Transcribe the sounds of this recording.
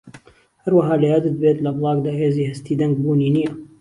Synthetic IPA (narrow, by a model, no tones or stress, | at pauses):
hɐɾwɐɦɑːlɐjad̪ɨt̪̚beːt̪lɐblˠɑːɡd̪aːheːziːhɐst̪iːd̪ɐŋɡbuːniːnijɐ